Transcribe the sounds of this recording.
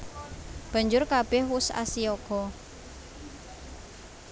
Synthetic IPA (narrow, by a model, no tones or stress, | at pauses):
b̥a̤ɲd͡ʒʊrkab̥ɛhwʊsa̰siɔɡ̥ɔ̤